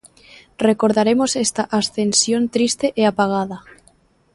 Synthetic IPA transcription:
rekoɾðaɾemosest̪aʔasθensjont̪ɾist̪eʔeapaɣ̞að̞a

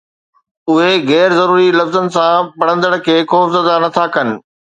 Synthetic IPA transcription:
ʊɦeɣɛːɾzɐɾuːɾilɐfzənɪ̆sãpɐɽ̤̃ə̃nd̪əɽkʰeːxɔːfzəd̪anɐt̪ʰakɐnɪ̆

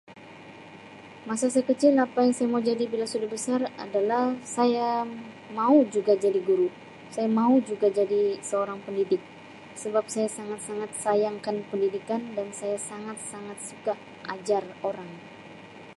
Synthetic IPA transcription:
masasaakət͡ʃɪlapajaŋsajamaud͡ʒadibilasudabəsara̰dalahsaja | maud͡ʒuɡad͡ʒadiɡuɾu | sajamaud͡ʒuɡad͡ʒadisəoɾaŋpəndidɪk̚ | səbap̚sajasaŋat̪̚saŋat̪̚sajaŋkanpəndidikandansajasaŋat̪̚saŋat̪̚suka | ʔad͡ʒaroɾaŋ

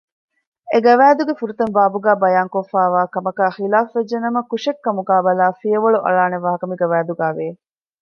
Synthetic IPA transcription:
eɡɐʋæːd̪uɡefuɾut̪ɐmbaːbuɡæːbɐjaːŋkofæːʋaːkɐmɐkæːxilaːfʋed͡ʒːenɐmɐkuʃekːɐmuɡaːbɐlaːfijɐʋɐɭuʔɐ̰ɭaːneʋaːɦɐkɐmiɡɐʋæːd̪uɡæːʋeː

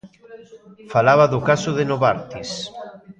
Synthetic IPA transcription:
falaβaðʊkasʊðenoβaɾt̪is

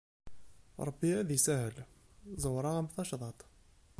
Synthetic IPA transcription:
ɾˤɑbːiæðisæhəlzˤəwɾˤɑmθɑʃðˤɑt̪ˤ

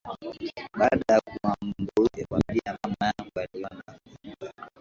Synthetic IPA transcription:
ɓaɗajakuambuɛkwambiamamajaaliɔna

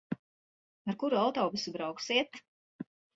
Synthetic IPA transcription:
aɾkuɾuawt̪ɔːbusubɾawksiɛt̪

